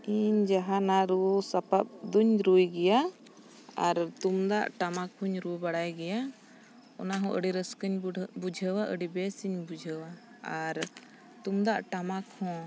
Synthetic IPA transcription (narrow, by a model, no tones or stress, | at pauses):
iɲd͡ʒaɦanaɾusapap̚d̪uɲɾujɡɛja | aɾt̪umd̪aʔʈamakhuɲɾubaɽajɡɛja | ɔ̰naɦɔ̃ʔəɽiɾəskəɲbud͡ʒʱəwaʔəɖibɛsiɲbud͡ʒʱəwaː | ɾ | t̪umd̪aʔʈamakhɔ̃